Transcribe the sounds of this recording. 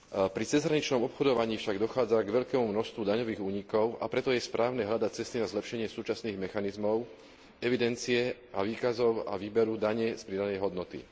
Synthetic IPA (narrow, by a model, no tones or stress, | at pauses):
pɾit͡sɛzɦɾaɲit͡ʃnɔmɔpxɔd̪ɔʋaɲiːfʃaɡd̪ɔxaːd͡zaɡʋɛʎkɛːmumnɔst̪ʋud̪aɲɔʋiːɣuːɲikɔʊa̰pɾɛt̪ɔjɛspɾʔaːʊnɛɦʎad̪ac̚t͡sɛst̪inazlɛpʃɛɲɪɛsuːt͡ʃasniːɣmɛxanizmɔʊ | ɛʋid̪ɛnt͡siɛ | aʋiːkazɔʊa̰ʋiːbɛɾud̪aɲɛspɾid̪anɛjɦɔd̪nɔt̪ḭ